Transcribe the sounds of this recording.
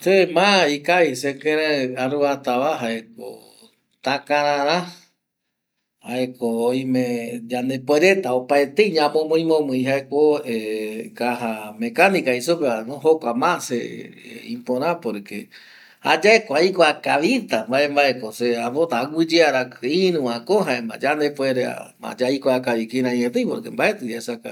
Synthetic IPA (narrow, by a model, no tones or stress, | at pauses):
semãikajsekẽɾeaɾuβat̪aβaɦaek̚o̰ | t̪akãɾãɾã | haekoːjmẽd͡ʒand̪epweɾe̞t̪aopaet̪eiɲãmõmõĩmõmɨ̃j̃ɦaekoekaɦamẽkanikaisupeanõɦokʷamãsḛ | ĩpõɾãpoɾekḛ | ha̰d͡ʒaekoaikoakaʋit̪ambaembaekoseaβot̪aːɡɨd͡ʒeaɾakɨĩnũãkõɦaemã̰d͡ʒand̪epweɾea̰mã̰d͡ʒaikoakaʋikiɾãĩɲẽt̪ejpoɾkembaʔet̪ɨd͡ʒaesaka̰